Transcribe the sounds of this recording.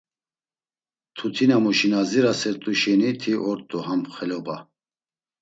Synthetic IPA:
t̪ʰut̪ʰinamuʃinaziɾasɛɾt̪ʼuʃɛnit̪ʰiʔɔɾt̪ʼuhampχɛlɔba

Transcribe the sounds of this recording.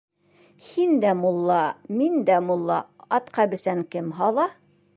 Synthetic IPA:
hind̪æmulˠːɑmind̪æmulˠːɑɑt̪qʰɑbɘ̆sæŋkɘmɦɑlˠɑ

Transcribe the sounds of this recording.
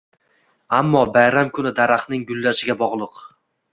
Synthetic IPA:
amːɒbajɾamkʰʊnɪd̪aɾaχnɪŋɡʊlˠːaʃɪɡʲabɒʁlˠɨq

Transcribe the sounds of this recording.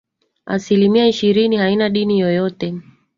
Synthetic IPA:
a̰silimiaiʃiɾinihainaɗinijɔjɔtɛ

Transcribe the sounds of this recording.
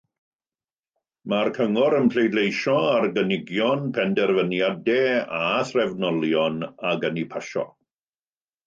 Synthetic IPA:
markʰəŋɔɾənpʰlejdlejʃɔarɡənɪɡjɔnpʰɛndɛrvənjadɛaθrɛvnɔlˠjɔnaɡənipʰaʃɔ̰

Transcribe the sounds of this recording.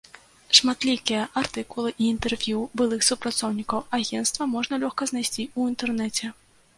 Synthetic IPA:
ʂmat̪lʲikʲijɐʔart̪ɨkulˠɨʔiːnt̪ɛrvʲjubɨlˠɨxsupɾat̪sɔwnʲikɐwaɣʲɛnst̪vɐmɔʐnɐlʲɔxkɐznajsʲt͡sʲiuint̪ɛrnɛt͡sʲɛ

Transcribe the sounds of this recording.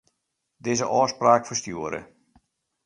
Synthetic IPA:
dɪːzəʔɔːspraːkfərstjuəɾə̰

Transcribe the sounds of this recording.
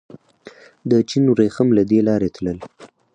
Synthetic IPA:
d̪ət͡ʃinwɾexəmlad̪elɑɾet̪ləl

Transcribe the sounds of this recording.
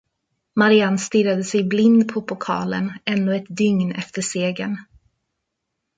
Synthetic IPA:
maɾɪanst̪iɾad̪əsɛjblɪnd̪pʰɔpʰʊkʰɑ̰ːlə̰nɛnːɔɛt̪̚d̪ʏŋnɛ̰ft̪əʂeːɡən

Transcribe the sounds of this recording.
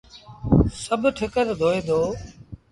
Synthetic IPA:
səbʱʈʰɪkəɾd̪ʱoːẽːd̪oː

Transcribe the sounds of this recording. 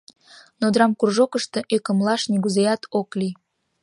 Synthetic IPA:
nod̪ɾɑmkurʒokəʃt̪e̽ʔøkə̆mlɑʃnʲiɡuzejɑt̪ʰokli

